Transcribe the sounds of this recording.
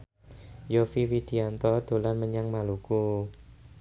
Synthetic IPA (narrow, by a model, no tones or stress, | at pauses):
jofiwid̪̥i̤ant̪ɔd̪̥o̤lanməɲaŋmaluku